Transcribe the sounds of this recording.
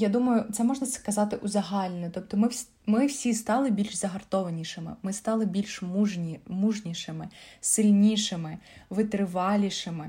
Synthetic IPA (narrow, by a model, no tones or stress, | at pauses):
jad̪umɐjʊt̪sɛmɔʐnɐskɐzɑt̪ɪʔʊzɐɦɑlʲnɛt̪ɔp̚t̪ɔmɪsʲ | mɪwsʲist̪ɑlˠɪbʲilʲʃzɐɦɐrt̪ɔʋɐnʲiʃɪmɪ̰mɪst̪ɑlˠɪbʲilʲʃmʲmuʒnʲiʃɪmɪsɪlʲnʲiʂɪmɪʋɪt̪ɾɪʋɑlʲiʃɪmɪ